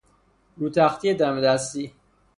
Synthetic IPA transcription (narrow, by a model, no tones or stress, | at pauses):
ɾuːt̪ʰæxt̪ʰijed̪æmed̪æst̪i